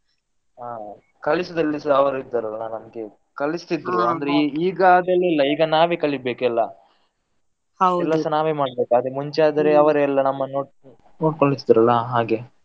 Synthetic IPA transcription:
aː | kɐlisɐd̪ɐlːisɐʋɐɾuid̪ːɐɾɐlːɐnɐmɡe | kɐɭist̪id̪ɾuɐnd̪ɾeiːɡaːd̪ɐlɛlːɐiːɡɐnaːʋekɐɭibeːkɛlːɐ | hɐwɛlːɐsɐnaːʋemaːɽbeːkaːd̪emuɲt͡ʃaːd̪ɐɾeɐʋɐɾeɛlːɐnɐmːɐnoːɽ | noːɽkoɳɖit̪ːid̪ɾɐlːɐɦaːɡe

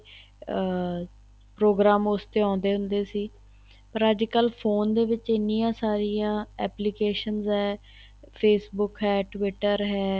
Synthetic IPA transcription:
pɾoːɡɾaːmʊst̪eːãːnd̪eːɦʊnd̪eːsiː | pəɾəd͡ʒkəlpʰoːnd̪eːʋɪt͡ʃɪnːiːjãːsaːɾijãːɛːplikeːʃənzɦɛː | pʰeːsbʊkɦɛːʈʋɪʈəɾɦɛː

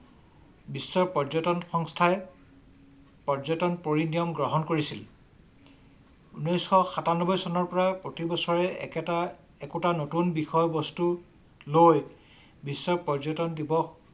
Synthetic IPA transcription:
bisːɔɹpɔɹzɔtɔnxɔŋstʰaɛ | pɔɹzɔtɔnpoɹinijɔmɡɹɔɦɔnkoɹisil | unɔjsxɔxatanɔbɔjsɔnɔɹpɔɹapɹotibɔsɔɹɛka | ɛkutanotunbixɔjɔbɔstu | loj | bisːɔɹpɔɹzɔtɔndibɔ

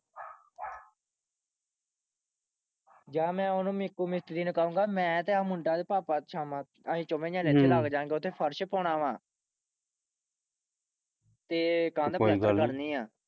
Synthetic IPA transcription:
d͡ʒaːmɛ̃ːʊnũːmɪkːuːmɪst̪ɾiːnũːkaːũːŋɡaːmɛ̃ːt̪eːamʊɳɖaːd̪eːpaːpaːt͡ʃʰaːmãː | aːĩːt͡ʃomẽːd͡ʒãːneːt̪ʰːeːlaːɡd͡ʒãːŋɡeːʊt̪ʰːeːpʰəɾʃpɔːɳãːʋãː | t̪eːkãːnd̪əɛːkəɾkəɾniːãː

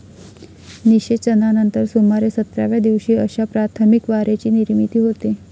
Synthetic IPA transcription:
niɕet͡ɕənanənt̪əɾsomaɾesət̪ɾja̰ʋjad̪iʋɕiːəɕapɾat̪ʰəmikʋaɾet͡ɕiːniɾmit̪iːɦot̪e

